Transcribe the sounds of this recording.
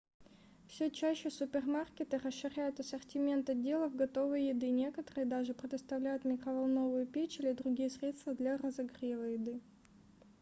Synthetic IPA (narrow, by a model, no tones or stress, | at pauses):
fsʲɵt͡ɕæɕːɪsʊpʲɪrmarkʲɪt̪ɨrəsʂːɪɾʲæjʊt̪ɐsərtʲɪmʲe̞nt̪ɐdʲːe̞lˠəvɡɐt̪o̞vəjjɪd̪ɨnʲe̞kət̪əɾɨjəd̪aʐɨpɾʲɪd̪əst̪ɐvlʲæjʊt̪mʲɪkɾəvɐlˠno̞vʊjʊpʲet͡ɕilʲɪd̪ɾʊɡʲijəsɾʲe̞t̪st̪vəd̪lʲɐrəzɐɡrʲevˠəjɪd̪ɨ